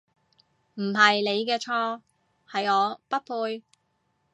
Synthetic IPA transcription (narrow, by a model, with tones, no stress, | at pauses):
m̩˨˩ɦɐ˨jne˨˧jkɛː˧t͡ʃʰɔː˧ | hɐ˨jɔː˨˧pɐ˥t̚pʰuː˧j